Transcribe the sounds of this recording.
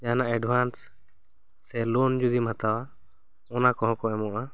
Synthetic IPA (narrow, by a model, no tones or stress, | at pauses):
janaʔɛɖbʱansː | ɛlɔnd͡ʒud̪imhat̪awa | ɔnakɔɦɔ̃kɔɛmɔʔa